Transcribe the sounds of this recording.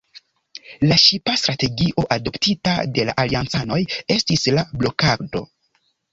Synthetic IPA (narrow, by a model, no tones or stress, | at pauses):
laʃipastɾate̞ɡiʔo̞ʔado̞ptita̰de̞la̰ʔaliant͡sano̞je̞stislablo̞kaɾdo̞̰